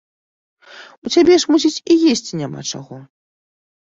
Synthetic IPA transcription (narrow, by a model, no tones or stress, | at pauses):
ut͡sʲabʲɛʂmusʲit͡sʲijesʲt͡sʲinʲama̰t͡ʂa̰ɣɔ